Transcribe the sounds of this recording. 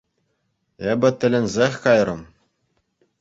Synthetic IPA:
ebʲɘ̆t̪ʲɘ̆lʲɘ̆nʲzʲexʲkɑjrɤ̆m

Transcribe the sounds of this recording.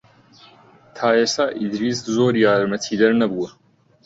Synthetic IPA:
t̪ʰaːeːsaːʔid̪ɾiːszoːɾjaːɾmɐt̪ʰiːd̪ɐɾnɐbuwɐ

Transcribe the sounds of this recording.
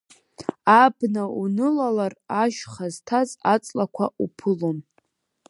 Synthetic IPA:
abnaunɨlalaraʃχaztʰazat͡sʼlakʷʰaʔupʰɨlom

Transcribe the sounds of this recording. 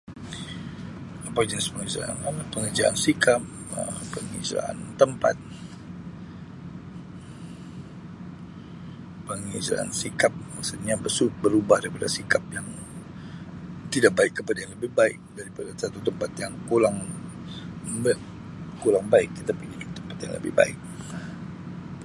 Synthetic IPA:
apad͡ʒənspəŋəza̰a̰nanapəŋərd͡ʒaʔa̰nsikap̚ | ə̰pəŋḭza̰ʔa̰nt̪əmpa̰t̪̚ | pəŋiza̰ʔa̰nsikap̚maksut̪̚ɲabəsut̪̚bəɾubahdaɾipadasikap̚jaŋ | t̪idaʔk̚baɪkːəpadajaŋləbɪhbaɪk̚daɾipadasat̪ut̪əmpat̪jaŋkulaŋ | bə | kulaŋbaɪk̚kit̪apidikit̪əmpat̪jaŋlə̰bɪ̰hba̰ɪk̚

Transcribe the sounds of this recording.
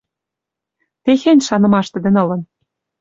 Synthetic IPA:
t̪exenʲʃɑnɤ̆mɑʃt̪ɘ̆d̪ɘ̆nɤ̆lɤ̆n

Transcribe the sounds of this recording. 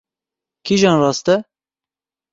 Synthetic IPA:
kʰiʒɑːnrɑːst̪ɛ

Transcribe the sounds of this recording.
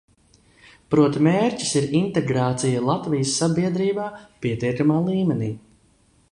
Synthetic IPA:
pɾuɔt̪imeːɾcʲi̥siɾint̪eɡɾaːt̪sijalˠat̪vijəsːabiɛd̪ɾiːbaːpiɛt̪iɛkamaːlˠiːmɛniː

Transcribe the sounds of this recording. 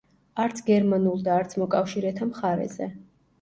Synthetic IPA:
aɾt̪sʰɡɛɾmanulˠd̪aːɾt̪sʰmɔkʼafʃiɾɛt̪ʰamχaɾɛ̰zɛ̰

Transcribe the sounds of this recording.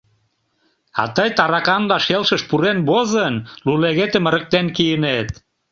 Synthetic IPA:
ɑ̰t̪əjt̪ɑɾɑkɑnlɑʃelʃəʃpuɾenbozənluleɣet̪ə̆mə̆ɾə̆k̚t̪enkijənet̪

